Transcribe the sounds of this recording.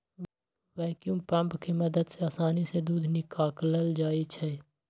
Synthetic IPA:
ʋɛːkjũːmpɐ̃mpkimɐd̪əd̪seaːsaːnised̪uːd̪ʱnikaːkləld͡ʒaːit͡ʃʰɛː

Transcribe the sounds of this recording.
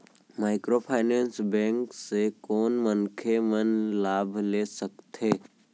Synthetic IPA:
maːɪkɾopʰaːnɛ̃ːnsbɛ̃ːŋksekɔːnmənkʰemənlaːbʱleːsəkt̪eː

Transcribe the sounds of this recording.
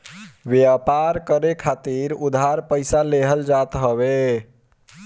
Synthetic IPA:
bjapaɾkəɾekʰat̪iɾud̪ʱɦaɾpəɪsaleɦəld͡ʒat̪ɦəβe

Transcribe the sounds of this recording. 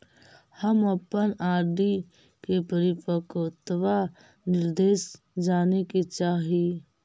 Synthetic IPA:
həməpənaːɾd̪i | kepəɾɪpəkot̪ʋa | nɪɾd̪eːʃ | d͡ʒaːnekit͡ʃaːɦi

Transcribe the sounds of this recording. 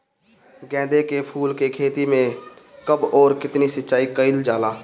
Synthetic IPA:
ɡɛ̃ːd̪ekepʰuːlkekʰeːt̪imẽkəbɔːɾkɪt̪nisətːt͡ʃaːikəɪld͡ʒaːlaː

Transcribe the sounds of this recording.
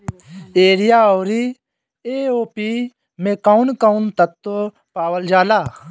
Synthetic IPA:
eːɾijaːoːɾi | eːoːpi | mẽkaunkaunt̪ɐt̪ːo | paːwəld͡ʒaːlaː

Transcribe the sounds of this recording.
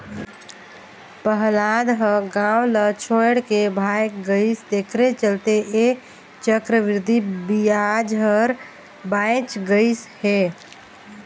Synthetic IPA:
pəɦlad̪ɦəɡawlət͡ʃʰoeɽkebʱajkɡəɪst̪ekʰɾet͡ʃəlt̪eʔe | t͡ʃəkɾəʋɪɾd̪ʱibijad͡ʒɦəɾ | bãɪt͡ʃɡəɪshe

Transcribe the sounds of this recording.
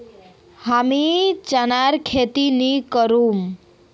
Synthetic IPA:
hamit͡ʃanaɾkʰet̪inikəɾum

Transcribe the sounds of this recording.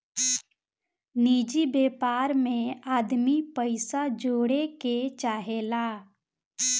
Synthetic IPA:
niːd͡ʒibeːpaːɾmẽaːd̪mipəɪsad͡ʒoːɽeket͡ʃaːɦelaː

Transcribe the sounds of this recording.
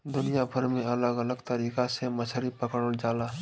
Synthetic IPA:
d̪ʊnijabʱəɾmẽɐləɡələɡt̪əɾiːkasemət͡ʃʰɾipəkəɽəld͡ʒaːlaːɦ

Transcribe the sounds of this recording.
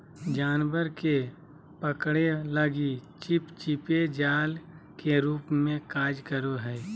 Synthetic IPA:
d͡ʒaːnwəɾke | pəkɽeləɡit͡ʃɪpt͡ʃɪped͡ʒaːl | keɾuːpmẽkaːd͡ʒkəɾoɦɛː

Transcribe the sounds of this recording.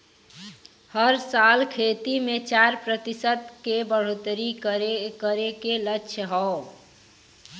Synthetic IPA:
həɾsalkʰet̪imet͡ʃaɾpɾət̪isət̪kebəɽ̤ot̪ɾikəɾekəɾekelətːʃʰəɦɔo

